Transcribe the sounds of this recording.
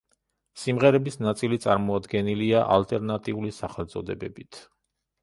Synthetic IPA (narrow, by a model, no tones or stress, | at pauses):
simʁɛɾɛbisnat̪sʼilit̪sʼaɾmɔad̪ɡɛniliaʔa̰lt̪ʼɛɾnat̪ʼiulisaχɛlt̪sʼɔd̪ɛbɛbit̪ʰ